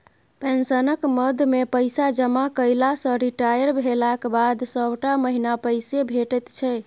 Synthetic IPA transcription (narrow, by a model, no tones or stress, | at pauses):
pensənəkməd̪ʱmepəjsad͡ʒəmakəjlasə̃ɾiʈajəɾbʱelakbad̪səbʈaməɦinapəjsebʱeʈət̪t͡ʃʰɛ